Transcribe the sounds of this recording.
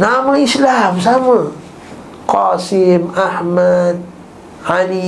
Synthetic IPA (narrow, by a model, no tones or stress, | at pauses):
namaislams̬ama | qɑsimaħmad̪̚ | ʕali